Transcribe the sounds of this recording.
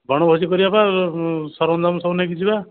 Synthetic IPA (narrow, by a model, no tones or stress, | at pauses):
bʱɔɽ̃ɔbʱɔs̬ikɔɾibapasɔɾɔnd̪ʱamsɔwnakit͡ʃʰiba